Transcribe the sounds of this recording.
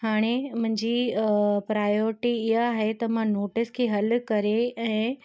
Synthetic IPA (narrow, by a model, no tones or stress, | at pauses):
ɦaːɽ̃emʊ̃ɦɪ̃ɲd͡ʑipɾaːjoːɾɪʈiɪɦaːɦet̪ɐmãnoːʈɪskʰeɦɐlkɐɾeɛ̃ː